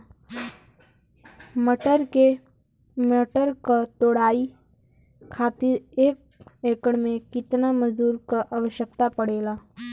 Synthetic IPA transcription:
məʈəɾke | meʈəɾkat̪oːɽaːi | kʰaːt̪ɪɾeːk̚ | eːkəɽmẽkɪt̪naməzd̪uːɾkaʔaʋəʃjək̚t̪apəɽeːlaː

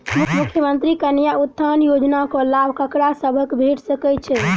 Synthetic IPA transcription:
mukʰmukʰjəmənt̪ɾikənjaut̪ʰːanjod͡ʒnakɔlabʱkəkɽasəbʱəkbʱeʈsəkɛt͡ʃʰɛ

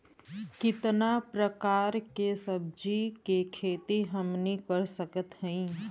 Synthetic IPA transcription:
kɪt̪napɾəkaːɾkesəb̚d͡ʒikekʰeːt̪iɦəmnikəɾsəkət̪ɦəĩ

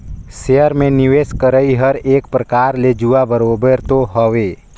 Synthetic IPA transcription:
seəɾmẽnɪʋeːskəɾəiɦəɾeːk̚pɾəkaːɾled͡ʒuabəɾoːbəɾt̪oɦəʋe

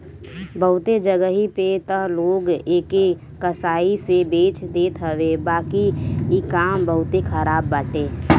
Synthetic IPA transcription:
bəɦʊt̪ed͡ʒəɡəɦipet̪əɦloːɡeːke | kəsaːisebeːt͡ʃd̪eːt̪ɦəʋebaːkiikaːmbəɦʊt̪ekʰəɾaːbːaːʈeː

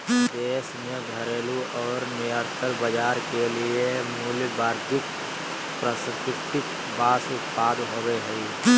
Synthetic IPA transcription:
d̪eːsnə̃ɡʱəɾeːluʔɔːɾniəɾt̪ʰəɾbəd͡ʒaːɾkeliemuːljbaːɾd̪ʱɪk | pɾəsɪk̪ɪst̪ɪk | baːsʊt̪paːd̪ɦoːɡəeɦɛi

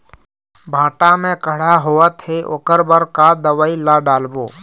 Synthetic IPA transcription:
bʱãːʈamẽkəɽ̤aɦoːət̪ɦeʔo̰ːkəɾbəɾkad̪əwaːilaɖaːlboː

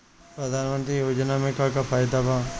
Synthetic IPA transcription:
pɾɐd̪ʱaːnmə̃nt̪ɾijoːd͡ʒnamẽkakafʰaːjɪd̪abãː

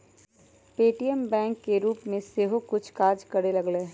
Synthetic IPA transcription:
peːʈijɛmbɛ̃ːŋkːeɾuːpmẽseːɦokʊt͡ʃʰkaːd͡ʒkɐɽelɐɡleː

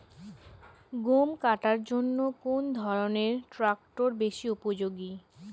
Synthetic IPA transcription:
ɡumkaʈaɾd͡ʑonːokond̪ʱɔɾoneɾʈɾak̚ʈoɾbeʃiupod͡ʑoɡi

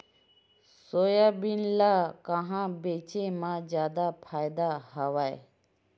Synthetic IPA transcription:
soːjabɪnlaːkəɦãbeːt͡ʃemãd͡ʒjaːd̪apʰaːjd̪aɦəʋaːe

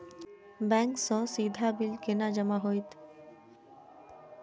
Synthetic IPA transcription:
bɛŋksɔ̃sid̪ʱabilkenad͡ʑəmaɦojt̪

